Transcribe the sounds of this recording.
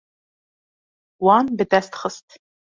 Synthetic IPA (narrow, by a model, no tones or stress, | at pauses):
wɑːmbɨdɐst̪χəstʰ